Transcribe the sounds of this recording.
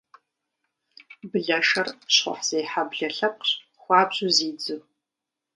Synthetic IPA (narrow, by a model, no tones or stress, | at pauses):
bɨɮɐʂɐrɕχʷɔ̰ħz̥ejħabɮɐɬɐp̚ʼɕ | χʷɑːpɕʼʊziːd͡zɨw